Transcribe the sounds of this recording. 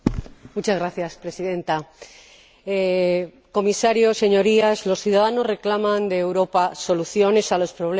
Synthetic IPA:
mut͡ʃazɣɾaθjaspɾe̞siðe̞nt̪a | e | ko̞misaɾjo̞se̞ɲo̞ɾiazlo̞sθjuð̞aðano̞zre̞klamãnd̪eːwɾo̞paso̞luθjo̞ne̞salo̞spɾo̞βl

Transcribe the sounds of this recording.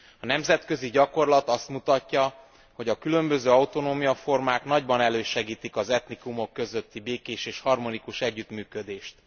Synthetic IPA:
ɒnɛmzɛt̪kø̞ziɟɒko̞rlɒt̪ɒst̪mut̪ɒcːɒ | ho̞ɟɒkylø̞mbø̞zøːɒut̪o̞noːmijɒfo̞rmaːkn̪ɒɟbɒnɛløːʃɛɡiːt̪ikɒzɛt̪nikumo̞kːø̞zø̞t̪ːibeːkeːʃeːʃhɒrmo̞nikuʃɛɟːyt̪myːkød̪eːʃt̪

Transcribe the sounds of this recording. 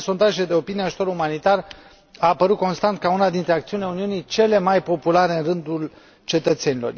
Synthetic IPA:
so̞nt̪aʒeed̪e̞o̞pinieaʒut̪o̞ɾumanit̪ar | aːpəɾut̪̚ko̞nst̪ant̪̚kaunad̪int̪ɾe̞akt̪siunileuniunijt͡ʃe̞le̞majpo̞pulaɾeɨnrɨnd̪ul | t͡ʃe̞t̪ət̪se̞nilo̞r

